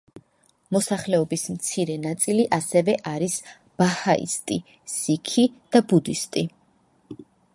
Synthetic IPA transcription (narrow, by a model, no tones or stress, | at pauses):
mɔsaχlɛɔbismt̪sʰiɾɛnat̪sʼiliʔasɛvɛʔaɾis | b̥ahaʔḭst̪ʼi | sikʰid̪̥abud̪ist̪ʼi